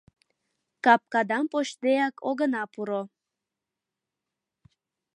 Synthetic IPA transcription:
kɑp̚kɑd̪ɑmpoʃd̪eɑkʰoɣənɑpuɾo

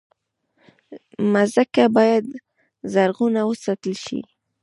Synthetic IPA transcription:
mazakabɑjad̪ | zaɾɣunawəsɑt̪əlʃḭ

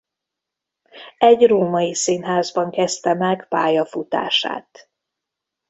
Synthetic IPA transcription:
ɛɟroːmɒjisinɦaːzbɒŋkɛst̪ɛmɛɡpaːjɒfut̪a̰ːʃa̰ːt̪

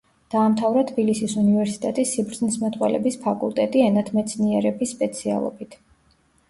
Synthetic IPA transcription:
d̪̥aːmt̪ʰavɾat̪ʰbilisisunivɛɾsi̥t̪ʼɛt̪ʼisːibɾd̪znismat̪ʼwɛlɛ̰bispʰakʼṵlˠt̪ʼɛt̪ʼiɛnat̪ʰmɛt̪sʰniɛɾɛbisːpʼɛt̪sʰia̰lˠɔ̰bit̪ʰ

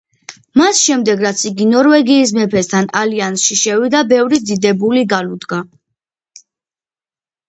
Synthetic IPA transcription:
masʃɛmd̪ɛɡɾat̪sʰiɡinɔɾvɛɡiːs̬mɛpʰɛst̪ʰanaliansʃiʃɛvid̪abɛvɾid̪id̪ɛbuliɡalud̪ɡa

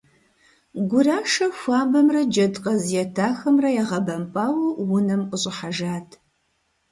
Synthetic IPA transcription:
ɡʷʊraːʂɐxʷaːmbɐmrɐd͡ʒɐdqʼɐzjɛtʰaːxɐmrɐjɛʁɐbɐmpʼaːwuwʊnɐmqʼəɕʼɪħaʒaːtʰ

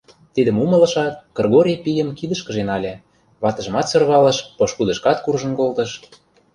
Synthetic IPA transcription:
t̪id̪ə̆mumə̆lɤ̆ʃɑt̪̚kɤ̆rɣoɾʲipijə̆mkid̪ə̆ʃkə̆ʒenɑlʲĕ | βɑt̪ə̆ʒə̆mɑt̪sørβɑlə̆ʃpɤ̆ʃkud̪ə̆ʃkɑt̪kurʒə̆nkolt̪ɤ̆ʃ

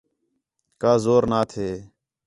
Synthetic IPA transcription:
kaːzoːɾnaːt̪ʰeː

